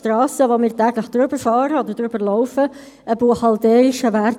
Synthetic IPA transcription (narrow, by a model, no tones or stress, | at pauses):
tɾɑːsəʋomɪːɾtɛːɡləχd̪̥ɾʏbəɾfɑːɾəod̪əɾdɾʏbəɾlɔʊfə | ʔəbuəχɑld̪ɛːɪʃəʋæɾ